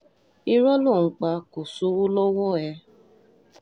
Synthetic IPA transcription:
i˦ɾɔ˦lu˦˨ŋ̩˨k͡pa˧ku˨su˧˦wu˦lo˦wo˦˨ɛ˧˦

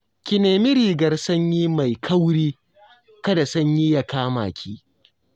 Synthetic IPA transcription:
kʲɪ˨neː˨mɪ˦ɾiː˨ɡɐ˨rsɐ˦ɲjiː˦ma˨jkʰɐ˦wɽiː˦ | kɐ˦da˨sɐ˦ɲji˦ja˨kaː˦ma̰ː˨kʲʰiː˦

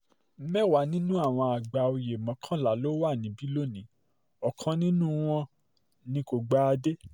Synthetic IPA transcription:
m̩˦mɛ˦˨wa˨˦nĩ˦nũ˦a˦˨w̃ɔ̃˧a˨ɡ͡ba˨o˧je˨mɔ̃˨˦kʰã˦la˨lo˦wa˦˨nĩ˨˦bi˦lo˦˨nĩ˨˦ | ɔ˨kʰã˧nĩ˦nũ˦w̃ɔ̃˧ | nĩ˧˦ko˨ɡ͡ba˦˧de˦

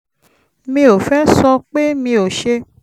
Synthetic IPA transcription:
mĩ˧˦o˨fɛ˦sɔ˧k͡pe˦mĩ˧o˨ʃe˧

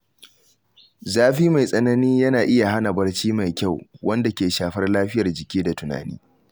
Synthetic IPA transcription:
zaː˦ɸiː˦ma˨jsʼɐ˦nɐ˦niː˦jɐ˦naː˨ʔɪ˦ja˨ɦa˦na˨bɐ˦rt͡ʃiː˦ma˨jkʲa˦˨wwʔɐ˦nda˨kʲeː˨ʃaː˨ɸɐ˦rlaː˦ɸɪ˦jɐ˨rd͡ʒɪ˨kʲiː˦da˨tʊ˨na̰ː˨nḭː˦

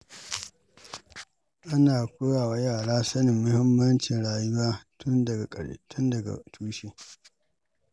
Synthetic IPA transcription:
ʔa˦naː˨kʷʊ˦ɽaː˨wa˨jaː˦˨laː˦sɐ˦nɪ˨mːʊ˦hɪ˦mːɐ˦nt͡ʃɪ˨nɽaː˦jʊ˦waː˦tʊ˦ndɐ˨ɡa˨kʼɐ˨tʰʊ˦ndɐ˨ɡa̰˨tʰuː˦ʃe˦

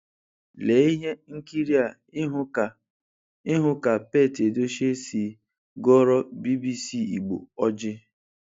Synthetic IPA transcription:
le˨˦i˦ɦe˦ŋ̩˦ki˦ɾi˦a˨˦ | ɦ | ɪ˦ɦʊ˦ka˨pe˦˨te˨do˦ʃe˦si˨ | ɡɔ˦ɾɔ˦bi˦bi˦si˦˨i˨ɡ͡bo̰˨ɔ˦d͡ʒɪ˦

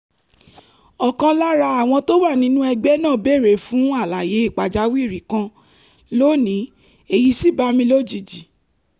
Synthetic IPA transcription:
ɔ˨kã˧la˦ɾa˧a˨w̃ɔ̃˧to˦wa˦˨nĩ˨˦nũ˦ɛ˧ɡ͡bɛ˦nãː˦˨be˦˨ɾe˨fũ˨˦a˦˨la˨je˨˦i˦˨k͡pa˨d͡ʒa˨˦wi˦i˦˨ɾi˨˦kã˧ | lo˦nĩ˨˦ | e˦˨ji˧˦si˦ba˧˦mĩ˧lo˦˨d͡ʒi˨d͡ʒi˨

